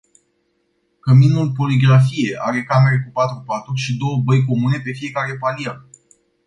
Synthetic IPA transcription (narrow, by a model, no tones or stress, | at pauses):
kəminulpo̞liɡɾafije̞ʔa̰ɾe̞kame̞ɾekupat̪ɾupat̪ɾuʃid̪o̞wəbəjk̬o̞mune̞pe̞fije̞kaɾe̞palia